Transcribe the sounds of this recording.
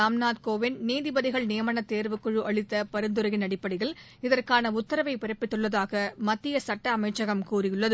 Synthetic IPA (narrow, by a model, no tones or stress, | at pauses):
aːmnaːt̪koːʋɪnniːðɪbɐðɪɣɐɭnɪjɐmɐɳɐt̪ːeːɾʋɯkːɯɻɯʔɐɭɪt̪ːɐpɐɾɯnd̪ɯɾɐɣɪnɐɽɪpːɐɽɪɣɐɭ | ɪðɐrkaːnɐʊt̪ːɐɾɐʋɐɪpɪɾɐpːɪʈːɯɭːɐðaːɣɐmɐt̪ːɪjɐsɐʈːɐːmɐɪt͡ʃːɐɣɐmkuːrɪjɯɭːɐðɯ